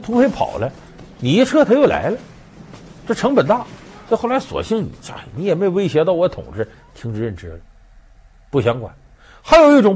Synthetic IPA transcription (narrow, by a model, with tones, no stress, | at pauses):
t̪ʰu˧˥pʰe˥ɪpʰɑ̰˨˩ʊlə˦ | ni˨˩i˧˥ʈ͡ʂʰɤ˥t̪ʰa˥jo˥˩ʊla̰˧˥ɪlə˧ | ʈ͡ʂɤ˥˩ʈ͡ʂʰɤ˧˥ŋpə˨˩nt̪a˥˩swxo˥˩ʊla˧˥swɔ̰˨˩ɕi˥˩ŋnḭ˨˩˦t͡ɕja̰˥˩˧ni˧˥jɛ˨˩me˥jo˨˩we˥ɪɕ̬jɛ˧˥t̪ɑ˥˩ʊwɔ˧˥t̪ʰʊ̰˨˩ŋʈ͡ʂɻ̩˥˩ | t̪ʰi˧˥ŋʈ͡ʂɻ̩˧˥ɻə˥˩nʈ͡ʂɻ̩˥lə˩ | pu˥˩ɕ̬jɑ˧˥ŋkwa̰˨˩˦n | xa˧˥ɪjo˨˩ʊi˥˩ʈ͡ʂʊ˨˥ŋ